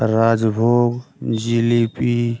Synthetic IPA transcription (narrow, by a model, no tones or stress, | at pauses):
ɾaːd͡ʒbʱoːɡd͡ʒilipi